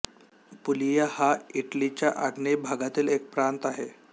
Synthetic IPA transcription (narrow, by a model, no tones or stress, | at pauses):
pulijahaiʈlit͡ɕjaʔaɡnebʱaɡat̪iːlek̚pɾant̪aɦe